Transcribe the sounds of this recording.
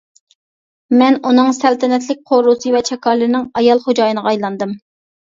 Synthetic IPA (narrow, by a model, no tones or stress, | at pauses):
mɛnunɨŋsɛlt̪ʰɛnɛt̪̬lɪk̚ʲqʰoɾusɨvɛt͡ʃʰɛkʰɑɾlɨɾnɪŋɑjɑlˠχod͡ʒɑːjɨnɨʁɑjlˠɑnd̪ɨm